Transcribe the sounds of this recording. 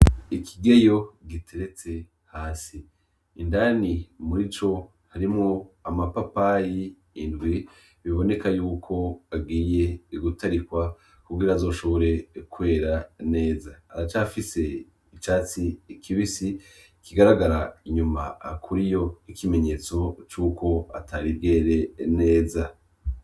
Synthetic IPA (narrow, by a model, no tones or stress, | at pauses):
ikʰiɡejo̞ɡitʰeɾe̞t͡se̞ | haːsiː | ndaːnimuɾit͡ʃo̞ | haɾimŋoamapapajiː | ndɡwi | βiβo̞ne̞kajuːkʰo̞abɡiːje̞ɡutaɾikwa | kuɡiɾaːzo̞ːʃo̞βo̞ɾe̞kwe̞ːɾane̞ːzaːɾat͡ʃaːfise̞ | it͡ʃaːt͡sikʰiβisi | kiɡaɾaɡaɾaiɲuma̰ːkʰuɾijo̞hikime̞ɲe̞ːt͡so̞t͡ʃuːkʰo̞atʰaːɾibɡe̞ːɾe̞ne̞ːza